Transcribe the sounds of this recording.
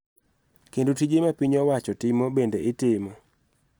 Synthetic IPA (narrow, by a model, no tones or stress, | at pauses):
kendotid͡ʒemapiɲɔwat͡ʃɔtɪmobendeʔɪtɪmɔ